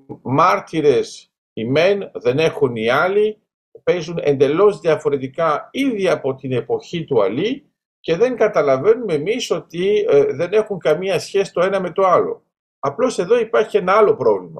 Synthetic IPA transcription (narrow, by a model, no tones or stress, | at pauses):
mɐɾt̪iɾe̞s | ime̞nðe̞ne̞xuniɐli | pe̞zune̞̰nd̪e̞lo̞zðiɐfo̞ɾe̞t̪ikɐiðiɐpo̞t̪ine̞po̞çit̪uɐ̰li | ce̞ðe̞ŋɡɐt̪ɐlɐve̞nume̞miso̞t̪iðe̞ne̞xuŋkɐmiɐsçe̞si̥t̪o̞e̞nɐme̞t̪o̞ɐlo̞̰ | ɐplo̞se̞ðo̞ipɐɾçie̞nɐɐlo̞pɾo̞vlimɐ̰